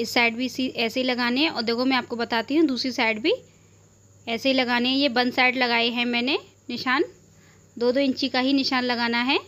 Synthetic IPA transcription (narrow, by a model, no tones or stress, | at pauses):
ɪsːaːɪɖbʱisiʔɛːseɦilɐɡaːneɦɛ̃ɔ̰ːɾd̪eːkʰomɛ̃aːp̚kobɐt̪aːt̪iɦũd̪uːsɾisaːɪɖbʱi | ɛːseɦilɐɡaːneɦɛ̃jebɐ̃nd̪saːɪɖlɐɡaːeɦɛ̃mɛ̃ːne | nɪʃaːn | d̪oːd̪oɪ̃ɲt͡ʃikaɦinɪʃaːnlɐɡaːnaɦɛː